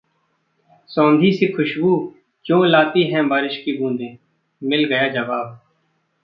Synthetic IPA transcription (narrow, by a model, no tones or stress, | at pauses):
sõːnd̪ʱiːseːkʰʊʃbuː | kjõːlaːt̪iːɦɛ̃ːbaːɾɪʃkiːbũːnd̪ʱẽː | mɪlɡəjaːd͡ʒəʋaːb